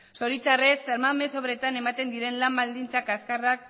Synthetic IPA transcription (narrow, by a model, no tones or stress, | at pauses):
so̞ɾit͡sare̞saɾmame̞so̞βɾe̞t̪ane̞mat̪e̞nd̪iɾe̞nlambald̪int͡sakaskarak̚